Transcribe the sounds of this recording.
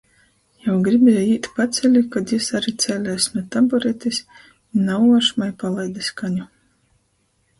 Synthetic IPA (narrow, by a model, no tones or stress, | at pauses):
jawɡɾibʲɛjɛiːt̪pat̪sʲɛlʲikad̪jisaɾit̪sɛːlʲɛjsnuɔt̪abɔɾɛt̪ʲis | inawuɔʃmajpalˠajd̪askaɲu